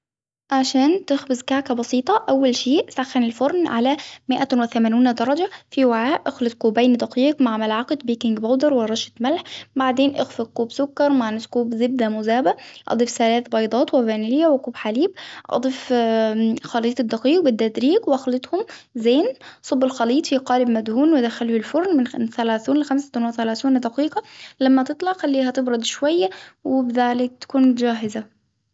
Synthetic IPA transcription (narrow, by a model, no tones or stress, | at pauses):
ʔʕaʃæːnt̪ɪxbɪzkaʕkæbɑsiːt̪ˤɑʔæwːælʃiːʔsaxːænɪlfoɾˤnʕalæmɪʔæwɪθæmæːniːnd̪ɑɾˤɑd͡ʒafiwaʕaːʔʔæxlɪt̪̚quːbæjnid̪ɑqiːqmaʕmalʕɑqet̪̚biːkɪŋɡbawd̪ɑɾˤwɪɾˤɑʃɪ̥t̪mælħbaʕd̪eːnʔɪxfɪkuːbsʊkːɑɾˤmaʕnɪskuːbzɪb̚d̪æmʊzæːbæʔɑ̰d̪ˤiːfθælæːθbɑjd̪ˤɑːt̪wɪbæːnlɪjːæwɪkuːbħaliːbʔɑ̰d̪ˤif | xɑliːt̪ˤd̪ːɑqiːɡ̚bɪd̪ːæd̪ɾiːɡwʔæxlɪt̪ˤhʊmzeːnsˤɑbːɪlxɑliːt̪ˤfiqɑːlɪbmæd̪huːnwɪd̪æxæluːɪlfʊɾˤnmɪnθælæːθiːnlɪxæmsḁt̪ʊnwaθælæːθiːnd̪ɑqiːqɑlæmːæt̪ɨt̪ˤlɑʕxælːiːɦæt̪ɪbɾɑd̪ʃwæjːæwɪbɪðæːlɪk̚t̪æ̥kuːnd͡ʒæːɦɪza